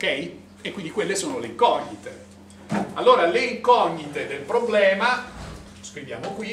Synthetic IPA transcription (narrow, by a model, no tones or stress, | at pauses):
okɛj | ekːwind̪ikwelːesoːnoleiŋkɔɲːit̪e | alːoːɾaleiŋkɔɲːit̪ed̪elpɾoblɛːma | skɾivja̰ːmokwi